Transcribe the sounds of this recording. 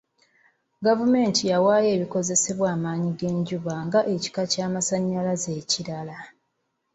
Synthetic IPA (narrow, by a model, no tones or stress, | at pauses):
ɡavume̞ːntijawaːje̞ːβiko̞ze̞se̞βwaːmaːɲiɡe̞ːɲɟuβaŋɡaʔe̞ci̥kacaːmasaɲːalaze̞ːciɾala